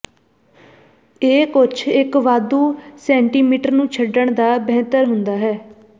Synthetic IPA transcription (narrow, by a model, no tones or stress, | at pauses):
eːkʊt͡ʃʰɪkʋaːd̪uːsɛ̃ːɳʈiːmiːʈəɾnũːt͡ʃʰəɖəɳd̪aːbɛɦːt̪əɾɦʊnd̪aːɦɛː